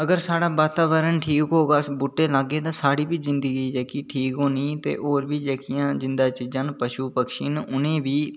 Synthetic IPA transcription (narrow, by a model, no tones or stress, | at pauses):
əɡəɾsaːɽaːbaːt̪aːʋəɾənʈʰiːkɦoːɡaːbʊʈːeːlaːɡːeːt̪ãːsaːɽiːbiːzɪnd̪əɡiːd͡ʒeːkiːʈʰiːkɦoːniːt̪ḛːʔoːɾbiːd͡ʒeːkijãːd͡ʒɪnd̪aːt͡ʃiːzãːnpəʃuːpəkʃiːnʊnẽːbiː